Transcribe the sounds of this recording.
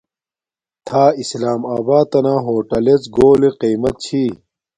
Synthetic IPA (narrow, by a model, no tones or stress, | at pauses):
t̪ʰaːislaːmaːbaːd̪̚t̪ɐnãːɦoːʈɐlet͡sɡoːleqiːmɐt̪̚t͡ɕʰiː